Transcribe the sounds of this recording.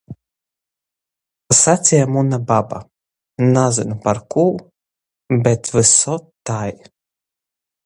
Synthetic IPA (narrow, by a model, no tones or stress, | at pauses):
asat̪sʲijamunababa̰ | nazɨnpaɾkuw | bɛt̪vɨsɔt̪aj